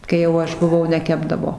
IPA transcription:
kɐɪ jɛʊ ˈɐʃ bʊˈʋɐʊ nʲɛˈkʲæːbdɐʋoː

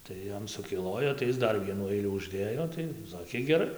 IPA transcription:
tɐɪ ˈjɛm sʊkʲɪˈlˠoːjoː tɐɪ ˈɪs ˈdɐr ˈʋʲiɛnuː ˈɐɪlʲuː ʊʒʲˈdʲeːjoː tɐɪ ˈsɑːkʲeː ɡʲɛˈrɐɪ

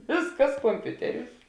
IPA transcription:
ˈʋʲeːsˌkɐs koːmʲˈpʲʊtʲɛˌrʲuːs

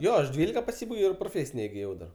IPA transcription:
ˈjoː ɐʃ ˈdʲʋʲiːlʲɪkɐ pɐˈsʲiːbɐɪɡʲɛʊ ɪr proːˈfʲeːsʲɪnʲɛ ɪɡʲɪˈjɛʊ dɐr

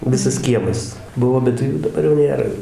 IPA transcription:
ˈʋʲɪsɐs ˈkʲiɛmɐs ˈbʊʋoː ˈbʲɛt juː dɐˈbɐr jɛʊ ˈnʲeːrɐ

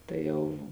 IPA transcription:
tɐɪ ˈjɛʊ

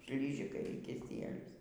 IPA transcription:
ˈʃʲlʲiːʒʲɪkɐɪ iː kʲɪˈsʲiɛlʲʊs

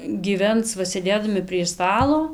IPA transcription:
ɡʲiːˈʋʲɛns ˈʋɐ sʲeːˈdʲeːdɐmʲɪ pʲrʲiɛ ˈstɑːlˠoː

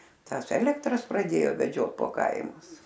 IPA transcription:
ˈtɑːs ˈæːlʲɛktrɐs prɐˈdʲeːjoː ʋʲɛˈd͡ʒʲoːt poː ˈkɐɪmʊs

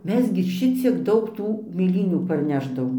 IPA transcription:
ˈmʲɛs ɡʲɪ ˈʃʲɪt͡sʲiɛk ˈdɐʊk ˈtuː mʲeːˈlʲiːnʲuː pɐrʲˈnʲæːʒdɐʋoːm

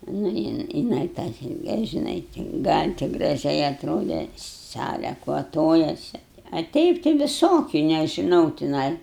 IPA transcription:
nʊ ˈjɪn jɪˈnɐɪ tɑː ˈsʲɪlʲkʲɛ ʒʲɪˈnɐɪ ɡɐlʲ tʲɪ ɡrɐˈʒʲɛɪ ɐtˈroːdʲɛ ˈsɑːlʲɛ kʋɐˈtoːjɛsʲɪ ɐ ˈtʲɛɪp tɐɪ ʋʲɪˈsoːkʲʊ nʲɛʒʲɪˈnɐʊ tʲɪˈnɐɪ

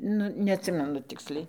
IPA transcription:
ˈnʊ nʲɛɐtʲˈsʲɪmʲɛnʊ ˈtʲɪksʲlʲɛɪ

